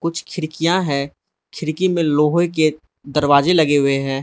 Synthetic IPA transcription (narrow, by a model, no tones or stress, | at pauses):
kʊt͡ʃʰkʰɪɾɪkijãɦɛː | kʰɪɾkimẽloːɦoek̬e | d̪ɐɾwaːzelɐɡeɦʊeɦɛ̃ː